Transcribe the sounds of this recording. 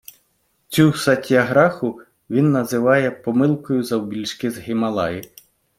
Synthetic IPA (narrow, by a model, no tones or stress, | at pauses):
t͡sʲusɐtʲiɐɦɾɑxʊ | ʋʲinːɐzɪʋɑjɛpɔmɪlˠkɔjʊzɐwbʲilʲʃkɪzɦɪmɐlˠɑ̰jɪ